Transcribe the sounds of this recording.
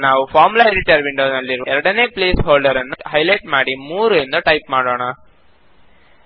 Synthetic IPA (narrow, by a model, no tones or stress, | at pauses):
naːʋupʰaːɾmulɐɾiʈɐɾʋiɳɖoːnɐlːiɾʋɛɾɐɽɐne̞ːpleːsɦoːɭɖɐɾɐnːuɦɐjlɐjʈmaːɽimuːɾuend̪uʈɐjp̚maːɽoːɳɐ